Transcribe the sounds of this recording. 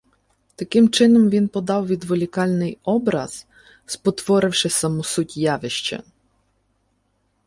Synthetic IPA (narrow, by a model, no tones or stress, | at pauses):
t̪akʲɪmt͡ʂɪnɔmvʲinpɔd̪awvʲid̪vɔlʲikalʲnɪjɔbɾa̰s | spɔt̪vɔɾɪwʂɪsamusutʲjavɪɕt͡ɕɛ̰